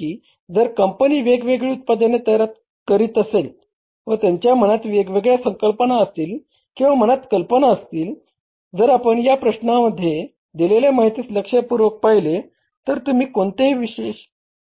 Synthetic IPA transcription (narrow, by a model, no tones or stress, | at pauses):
kiː | d͡zəɾkəmpəniːʋeɡʋeɡɭiːut̪̚pad̪ənet̪əjɾat̪̚ | kəɾiːt̪əsel | ʋət̪jaɲt͡ɕjam̤əñat̪ʋeɡʋeɡɭjasəŋkəlpənaəst̪iːl | kĩw̃ʋam̤ənat̪kəlpənaəst̪iːl | d͡zəɾapəɳjapɾəɕnaməd̪ʱːje | d̪ileljamaɦit̪iːt͡sləkʂapuɾʋək̚pajle | t̪əɾt̪um̤iːkoɳt̪eɦʋiɕeɕ